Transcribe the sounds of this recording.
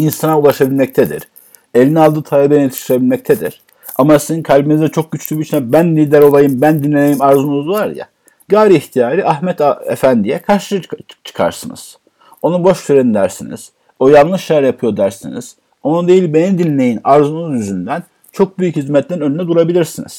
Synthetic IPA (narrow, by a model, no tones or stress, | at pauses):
insanaulˠaʃabilʲmɛc̚t̪ʰɛd̪ḭɾ | e̞lʲinialˠd̪ɯːt̪ʰalʲˠebeinet̪ʰi̥ʃiɾebilʲmɛc̚t̪ʰed̪ḭɾ̥ | amasizinkʰalʲbinizd̪ɛt͡ʃʰo̞k̚ɟyt͡ʃlʲybit͡ʃʰinɛbænd̪ilʲd̪ʲæɾo̞lˠajɯmbænd̪inlʲeejimaɾzunuzvaɾja̰ | ɡaːɾiiçt̪ʰijaːɾiʔahmɛt̪ʰḛfænd̪ijɛkʰaɾʃɯt͡ʃʰɯ̥kʰa̰ɾsɯnɯ̰z̥ | o̞nubo̞ʃsyɾend̪æɾsinḭz̥ | o̞jalˠnˠɯʃajæɾjapʰɯjo̞d̪æɾsinḭz̥ | o̞nud̪e̞jilʲbe̞nid̪inlʲe̞jinaɾzunuzjyzynd̪æn | t͡ʃʰo̞k̚byjychizmɛt̪lʲɛnønyinɛd̪uɾabilʲiɾsinḭz̥